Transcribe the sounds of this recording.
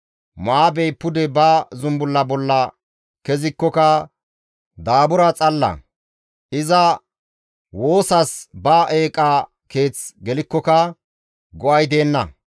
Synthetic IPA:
maːbɛjpʊd̪ɛbɐzʊmbʊlːɐbɔlːɐ | kɛzɪkːɔkɐ | d̪aːbʊɾɐt͡sʼɐlːɐ̰ | ʔɪzɐ | wo̞ːsɐsbaʔeːkʼa | ke̞ːt͡sɡɛlɪkːɔkɐ | ɡɔʔɐjd̪e̞ːnːɐ

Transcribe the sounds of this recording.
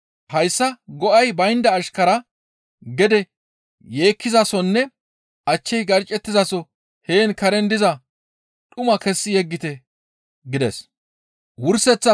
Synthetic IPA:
hɐjsːɐɡɔʔɐjbɐjnd̪ɐːʃkɐɾɐ | ɡɛd̪ɛ | je̞ːkːɪzɐsɔnːɛ | ʔɐt͡ʃːɛjɡɐɾt͡ʃʼːɛt̪ːɪzɐsɔ | he̞ːnkɐɾɛnd̪ɪzɐ | t̪ʼʊmɐkɛsːɪjɛɡːɪt̪ɛ | ɡɪd̪ɛs | wʊɾsɛt͡sːɐ

